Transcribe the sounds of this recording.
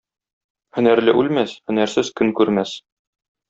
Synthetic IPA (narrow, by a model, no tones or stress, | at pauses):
hɵ̆næɾlɘʔʉlmæshɵ̆næɾsɘzkɵŋkʉɾmæs